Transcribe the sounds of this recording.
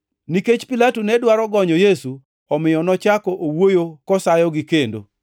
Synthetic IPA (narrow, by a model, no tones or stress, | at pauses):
niket͡ʃpilatunɛdwaɾɔɡɔɲɔjesu | ɔmɪjɔnɔt͡ʃakɔʔowojokɔsajɔɡikendo̰